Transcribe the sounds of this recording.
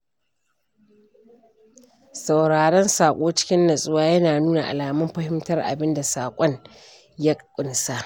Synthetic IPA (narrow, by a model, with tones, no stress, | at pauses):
sa˨wɽaː˨ɽɔ˦nsaː˨kʷʼoː˦t͡ʃɪ̥˦kʲɪ˦nːɐ˨sʼʊ˦waː˦jɐ˦naː˨nuː˦na˨ʔa̰˨laː˨mɐ˦mɸɐ˦hɪ˦mtɐ˦rʔa̰˨bɪ˦nda˨saː˨kʷʼɔ˦ɲ | ja˦kʼkʷʼʊ˨nsa˦ʔ